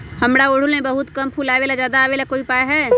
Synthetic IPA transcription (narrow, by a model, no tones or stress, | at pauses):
həmɽaoɽ̤ulmẽbəɦʊt̪kəmpʰulaːʋelad͡ʒjaːd̪aːʋelakoːipaːeɦɛː